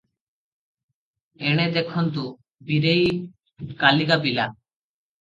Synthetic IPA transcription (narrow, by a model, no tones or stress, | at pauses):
eɽ̃ed̪ekʰɔnt̪u | biɾej | kaliɡapila